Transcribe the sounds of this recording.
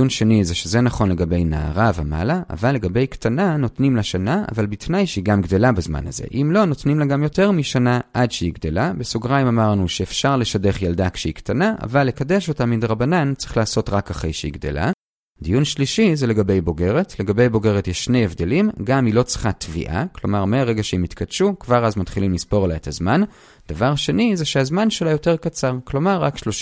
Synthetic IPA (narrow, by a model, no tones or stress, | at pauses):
unʃe̞nizeʃeze̞naχo̞nleɡabe̞jna̰ːʁavema̰laa̰valːe̞ɡabe̞jkt̪ʰanano̞tnimlaʃanaa̰valbit̪najʃeiɡamɡd̪e̞labezma̰na̰ze̞̰ʔimlo̞no̞tnimlaɡamjo̞te̞ʁmiʃanaʔadʃeiɡd̪elabesuɡʁajmamaʁnuʃeːfʃaʁle̞ʃade̞χjald̪akʃeiktanaʔa̰valːe̞kade̞ʃo̞tamidʁabanant͡sʁiχlaːso̞tʁakaχejʃeḭɡd̪e̞̰la̰ | d̪ijunʃliʃizele̞ɡabe̞jbo̞ɡe̞ʁetle̞ɡabe̞jbo̞ɡe̞ʁetjeʃːne̞jevde̞limɡamilo̞t͡sʁ̥χatvḭʔa̰klo̞̰maʁmeaʁeɡaʃeimit̪kadʃukvaʁazmatχilimlispo̞ʁlaetazman | d̥avaʁʃe̞nizeʃeazmanʃelajo̞te̞ʁkat͡saʁklo̞maʁːakʃloʃ